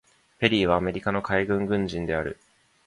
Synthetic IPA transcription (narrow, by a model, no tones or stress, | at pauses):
pe̞ɾʲiːβ̞aːme̞ɾʲikano̞kaiɡɯ̟̃ŋɡɯ̟̃ɲd͡ʑĩnd̪e̞aɾɯ̟̰